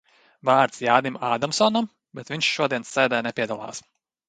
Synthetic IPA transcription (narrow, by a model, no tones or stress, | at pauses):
vaːɾt̪sjaːd̪imaːd̪amsɔːnam | bɛt̪vʲiɲʲʃʃuɔd̪iɛnsːɛːd̪ɛːjnɛpʲiɛd̪alˠa̰ːs